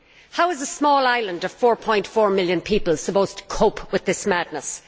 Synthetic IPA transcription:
haʊɨzəsmɔːlaɪlə̃ndʌv̥fɔːɹpʰɔ̃ɪ̃ntfɔːɹmɪljə̃npʰipəlˠsəpoʊz̥tʰə̥kʰoʊpʰwɨðɪsmædⁿnəs

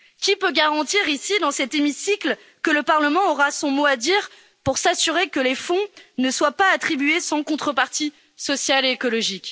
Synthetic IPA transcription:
kʲipøɡaʁɑ̃t̪iʁisid̪ɑ̃sɛt̪emisikl | kələpaʁləmɑ̃ɔʁasɔ̃moad̪iʁ | puʁsasyʁekəlefɔ̃nəswapaːt̪χibɥesɑ̃kɔ̃t̪χəpaʁt̪i | sɔsjaleːkɔlɔʒikʲ

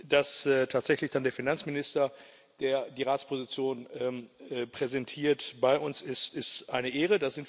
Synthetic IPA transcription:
d̥asːtʰaːtz̥ɛçlɪçd̥andeːɐfinant͡smɪnɪstɐ | d̥eːɐdiːʁaːspʰozit͡sjoːnɛːmpʁ̥ɛzɛntʰiːɐtbaɪʔʊnsɪstɪstʔaɪnəʔeːʁədaz̥ɪnt

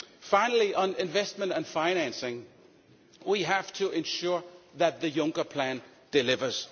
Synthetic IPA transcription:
fãɪ̃nl̩ˠiʔə̃nɪ̃ɱvɛst̚mə̃ntɨ̃nfaɪñæ̃nsɪ̃ŋ | wiɦæftʰɨʔɨ̃nʃʊɹðɨt̪̚ðɨjʌ̃ŋkə˞pʰl̥æ̃nd̥ɨlɪvə˞z̥

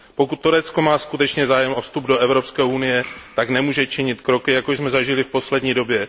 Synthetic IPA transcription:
po̞kut̪ːuɾɛt͡sko̞maːskut̪ɛt͡ʃɲɛzaːjɛmʔofst̪ubdo̞ʔɛvɾo̞pskɛːʔunɪjɛt̪aknɛmuːʒɛt͡ʃɪɲɪt̪kɾo̞kɪjakoʃzmɛzaʒɪlɪfpo̞slɛdɲiːdo̞bjɛ

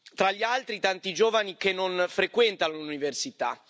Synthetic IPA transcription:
t̪ɾaʎːialt̪ɾit̪ant̪id͡ʒoːvanikenːonfɾekwɛnt̪anluniversit̪a̰

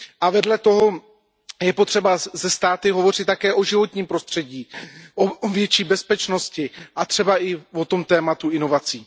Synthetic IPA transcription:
ʔavɛdlɛt̪o̞ɦo̞ | jɛpot̪r̝̥ɛbazɛst̪aːt̪ɪɦo̞vo̞r̝ɪt̪t̪ːakɛːʔo̞ʒɪvo̞t̪ɲiːmpɾo̞st̪r̝̥ɛɟiːʔoovjɛt͡ʃiːbɛspɛt͡ʃno̞scɪʔat̪r̝̥ɛbaʔɪvo̞t̪o̞mt̪ɛːmat̪uɪno̞vat͡siː

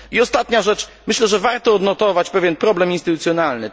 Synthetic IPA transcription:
iɔst̪at̪ɲaʐɛt͡ʂmɘɕlɛʐɛvaɾt̪ɔɔd̪nɔt̪ɔvat͡ɕpɛvʲjɛnpɾɔblɛminst̪ɘt̪ut̪sʲjɔnalnɘ

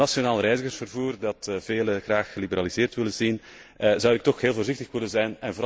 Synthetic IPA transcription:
ɑsjonaːlˠrɛjzəɣərsfərvuːrdɑtəv̥eːləɣraːxːəlibəɾalizɪːrtʋɪlənzinəzɑwɪk̚tɔxɦeːlˠvoːrzɪxtəxʋɪlənzɛjnɛnvoːɾ

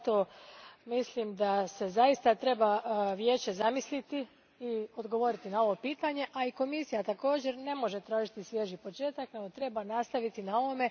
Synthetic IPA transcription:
t̪omislimd̪ase̞zajist̪at̪ɾe̞baʋje̞ːt͡ɕe̞zamislit̪i | io̞d̪ɡo̞ʋo̞ɾit̪inao̞ʋo̞piːt̪aɲe̞ʔaiko̞misijat̪ako̞ːd͡ʑe̞ɾne̞mo̞ʒe̞t̪ɾaːʒit̪isʋje̞ʒipo̞t͡ʃe̞ːt̪akne̞ɡo̞t̪ɾe̞banast̪aʋit̪inao̞ʋome̞

